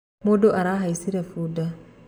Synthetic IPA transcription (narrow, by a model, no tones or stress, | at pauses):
modoʔaɾaɦajsiɾefuda